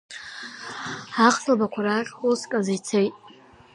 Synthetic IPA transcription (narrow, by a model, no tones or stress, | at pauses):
aχɬalbakʷʰaɾakuskʼazajt͡sʰejtʼ